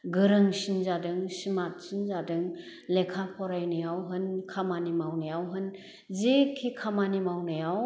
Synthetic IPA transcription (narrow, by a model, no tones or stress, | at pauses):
ɡɯɾɯŋsinzadɯŋsimat̚sinzadɯŋ | lekʰapʰɔɾajnajawɦɯnkʰamanimawnajawɦɯn | zekʰikʰamanimawnajaw